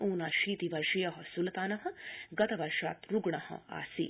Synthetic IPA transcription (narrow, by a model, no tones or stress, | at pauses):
uːnaːʃiːt̪iʋɐɾʃijɐɦɐsulɐt̪aːnɐɦɐ̆ɡɐt̪ɐʋɐɾʃa̰ːt̪ɾuɡɳɐhɐ̰a̰ːsḭ